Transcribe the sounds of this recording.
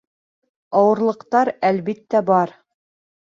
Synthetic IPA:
ɑwɤ̆ɾlˠɤ̆qt̪ɑɾælβit̪ːæbɑɾ

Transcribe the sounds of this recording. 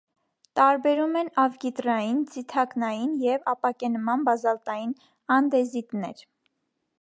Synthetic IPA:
t̪ɑɾbɛɾumɛnɑvɡit̪rɑjint͡sit̪ʰɑknɑjinjɛvɑpɑkɛnmɑnbɑzɑlt̪ɑjin | ɑnd̪ɛzit̪nɛ̰ɾ

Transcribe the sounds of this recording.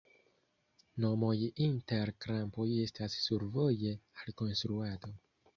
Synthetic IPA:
nomojiʔinteɾkɾampojestassuɾvojealkonst̪ɾuad̪o

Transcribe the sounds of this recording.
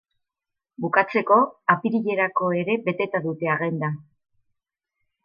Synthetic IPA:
bukat͡se̞ko̞apiɾiʎe̞ɾako̞e̞ɾe̞be̞t̪e̞t̪aðut̪e̞aɣe̞nd̪a

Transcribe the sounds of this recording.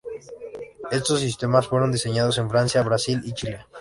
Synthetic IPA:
e̞st̪o̞s̬ːist̪e̞masfwe̞ɾo̞nd̪iseɲaðo̞s̬e̞ɱfɾansjaβɾasilit͡ʃile

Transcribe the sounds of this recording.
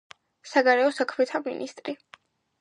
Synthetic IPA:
saɡaɾɛɔsakʰmɛt̪ʰamḭnʔḭst̪ʼɾi

